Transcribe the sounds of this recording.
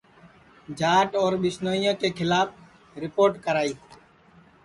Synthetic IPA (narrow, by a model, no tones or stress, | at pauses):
d͡ʒaːʈɔːɾɓɪsnoːijõːkeːkʰɪlaːp̚ʰ | ɾɪpoːɾʈkəɾaːiː